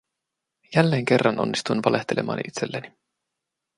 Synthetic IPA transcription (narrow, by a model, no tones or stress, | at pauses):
jælːe̞ːŋke̞rːɑno̞̰nːist̪uinʋɑleht̪elʔe̞̰mɑ̰ːnit̪selːæni